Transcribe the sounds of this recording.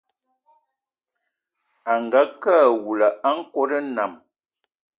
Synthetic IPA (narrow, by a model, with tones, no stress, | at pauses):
a˨ŋ˨ɡa˨˦kaː˦˨wu˨la˨a˦ŋ̩˦ko˦də˦na˨m